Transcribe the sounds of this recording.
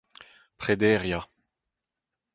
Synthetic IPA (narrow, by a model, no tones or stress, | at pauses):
pχed̪ɛːʁja